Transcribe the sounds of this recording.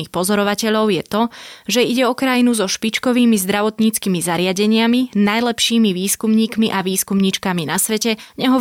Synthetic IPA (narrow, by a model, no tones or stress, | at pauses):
iːxpɔzɔɾɔʋacɛʎɔʊjɛt̪ɔʒɛiɟɛɔkɾajinuzɔʃpit͡ʃkɔʋiːmizd̪ɾaʋɔt̪ɲiːt͡skimizaɾɪaɟɛɲɪaminajlɛpʃiːmiʋiːskumɲiːkmiʔaʋiːskumɲit͡ʃkaminasʋɛcɛɲɛɦɔ